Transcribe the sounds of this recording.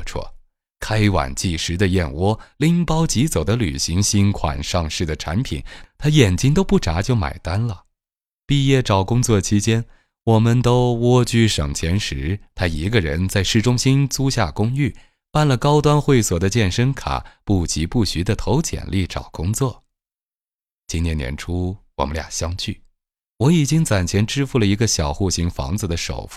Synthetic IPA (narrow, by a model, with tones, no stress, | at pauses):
ʈ͡ʂʰwɔ̰˥˩ | kʰa˥ɪwa̰˨˩nt͡ɕi˥˩ʂɻ̩˧˥d̪ə˧jɛ˥˩nwɔ˥li˥˩ŋpɑ˥ʊt͡ɕi˧˥t͡so˨˩ʊd̪ə˦ly̰˨˩ɕi˧˥ŋɕi˥nkʰwa̰˨˩nʂɑ˥˧ŋʂɻ̩˥˩d̪ə˩ʈ͡ʂʰa̰˧˥npʰḭ˨˩˦nt̪ʰa˥jɛ˨˩nt͡ɕi˥ŋt̪̬o˥ʊpu˥˩ʈ͡ʂa˧˥t͡ɕjo˥˩ʊma̰˨˩ɪt̪a˥nlə˨ | pi˥˧jɛ˥˩ʈ͡ʂɑ˨˩ʊkʊ˥ŋt͡swɔ˥˩t͡ɕʰi˥t͡ɕjɛ˥n | wɔ˨˩mə˧nt̪o˥ʊwɔ˥t͡ɕy˥˩ʂɤ̰˨˩ŋt͡ɕʰjɛ˧˥nʂɻ̩˧˥t̪ʰa˥i˧˥ɡə˧ɻə̰˧˥nt͡sa˥˧ɪʂɻ̩˥˩ʈ͡ʂʊ˥ŋɕi˥nt͡su˥ɕja˥˩kʊ˥ŋy˥˩ | pa˥˩nlə˩kɑ˥ʊt̪wa˥nxwe˥˩ɪswɔ˨˩d̪ə˦t͡ɕjɛ˥˩nʂə˥ŋkʰa̰˨˩˦pu˥˩t͡ɕi˧˥pu˥˩ɕy˧˥d̪ə˧t̪ʰo˧˥ʊt͡ɕʰjɛ̰˨˩nlʔi˥˩ʈ͡ʂɑ̰˨˩ʊkʊ˥ŋt͡swɔ˥˩ | t͡ɕi˥njɛ˧˥˩njɛ̰˧˥nʈ͡ʂʰu˥wɔ̰˨˩mə˦lja̰˨˩ŋɕjɑ˥ŋt͡ɕʰy˥˩ | wɔ˧˥i˨˩t͡ɕi˥ŋt͡sa˨˩nt͡ɕʰjɛ˧˥nʈ͡ʂɻ̩˥fu˥˩lə˩i˧˥ɡə˧ɕjɑ˨˩ʊxu˥˩ɕi˧˥ŋfɑ̰˧˥ŋd͡z̩˧d̪ə˨ʂo̰˨˩ʊf